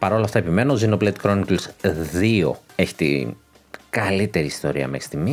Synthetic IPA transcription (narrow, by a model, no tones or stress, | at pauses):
pɐɾo̞lɐft̪ɐepime̞noozinoplet̪kɾo̞niklsðio̞̰e̞çi̥t̪ḭ | ɡ̥ɐlit̪e̞ɾiːst̪o̞̰ɾiɐ̰mexɾist̪imi